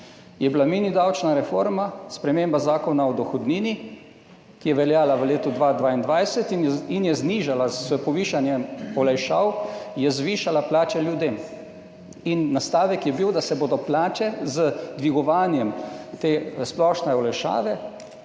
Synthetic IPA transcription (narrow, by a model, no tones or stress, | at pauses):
jɛblaminid̪awt͡ʃnaɾɛfoːɾmaspɾɛmeːmbazaːkɔnaɔd̪ɔxɔd̪niːni | kijɛʋɛljaːlaʋəleːt̪ud̪ʋaːd̪ʋaːind̪ʋajsɛt̪injɛzniːʒalaspɔʋiːʃanjɛɔlɛjʃaːwjɛzʋiːʃalaplaːt͡ʃɛljud̪em | inːast̪aːʋɛkjɛbiwd̪asɛboːd̪ɔplaːt͡ʃɛzəd̪ʋiɡɔʋaːnjɛmt̪eːsplɔʃnɛɔlɛjʃa̰ːʋɛ